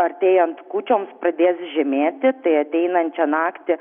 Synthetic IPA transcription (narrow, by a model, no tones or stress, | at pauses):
ɐɾʲt̪ʲeːjɛnt̪kuːt͡ʃʲoːmspɾɐd̪ʲeːsʒʲɛmʲeːt̪ʲɪt̪ɐɪɐt̪ʲɛɪnɐnʲt͡ʃʲɛnɑːkt̪ʲɪ